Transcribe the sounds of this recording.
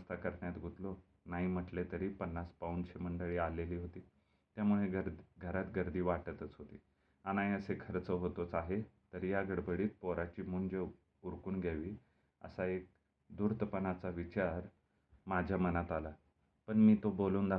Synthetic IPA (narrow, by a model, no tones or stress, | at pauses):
st̪akəɾɳjat̪ɡʱut̪lo | naɦim̤əʈlet̪əɾiːpənːaspaunɕeməɳɖəɭiːaleliːɦot̪iː | t̪jamuɭeəɾɡʱəɾat̪ɡəɾd̪iːʋaʈət̪ət͡sɦot̪ḭː | anaiəsekʰəɾt͡səɦot̪ot͡saɦet̪əɾjaɡəɽbəɽiːt̪̚poɾat͡ɕiːmuɳd͡ʑe | uɾkuːnɡʱjaʋiː | ə̰saek̚ | d̪uɾt̪əpənat͡saʋit͡ɕaɾ | mad͡ʑʱjamənat̪ala | pəɳmiːt̪oboluːnd̪a